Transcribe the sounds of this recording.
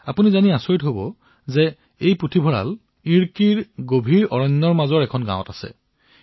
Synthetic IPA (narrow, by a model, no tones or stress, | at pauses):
apunizaniasoɹitɦobɔ | zɛ | ejpɹotʰibʱɔɹa̰l | iɹkiɹɡobʱiɹɔɹɔɲːɔɹmazɔɹɛkʰɔnɡã̰wɔ̰̃tasɛ̰